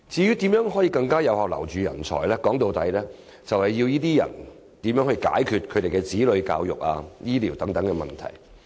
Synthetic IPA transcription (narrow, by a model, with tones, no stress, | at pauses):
t͡siː˨˧jyː˥t̪iː˨˥mjœː˨˥ŋɦɔː˨˥jiː˧kɐ˧ŋkaː˥jɐ˨˧whaː˧wlɐ̰˨˩wt͡ʃyː˨jɐ̰˨˩nt͡ʃʰɔ̰ː˨˩jlɛː˥kɔː˨˥ŋt̪o˨wt̪ɐ˨˥jlɛː˥ | t͡sɐ˨whɐ˨jːi˧wjiː˥t̪iː˥jɐ̰˨˩n | t̪iː˨˥mjœː˨˥ŋhɵ˧jka̰ː˨˥jkʰyː˨˧t̚kʰɵ˨˧t̪e˨˩jkɛ˧t͡siː˨˥lɵ˨˧ɥka̰ː˧wjʊ̰˨k̚a̰ː˧jiː˥liː˨˩wt̪ɐ˨˥ŋt̪ɐ˨˥ŋkɛ˧mɐ̰˨˩nt̪ʰɐ̰˨˩j